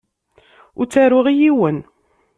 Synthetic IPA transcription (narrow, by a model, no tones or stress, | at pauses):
ʊɾt͡sːæɾʊʁijiwən